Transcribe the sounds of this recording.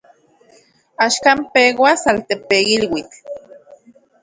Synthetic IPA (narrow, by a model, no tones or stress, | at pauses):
aʃkampewasalt̪epeilwit͡ɬ